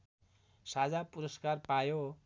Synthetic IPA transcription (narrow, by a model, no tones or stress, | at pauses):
sad͡zapuɾʌskarpajo